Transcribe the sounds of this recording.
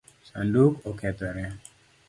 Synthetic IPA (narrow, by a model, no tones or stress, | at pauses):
sa̰ndukokʰɛt̪ɛɾɛ